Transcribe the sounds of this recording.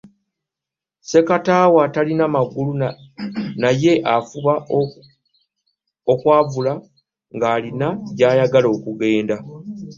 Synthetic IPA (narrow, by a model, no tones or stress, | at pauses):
se̞kataːwaːtalinamaɡulu | naje̞ʔafuβa | okwaːvula | ŋɡaːlinaɟaːjaɡalo̞ːkuɡe̞ːnda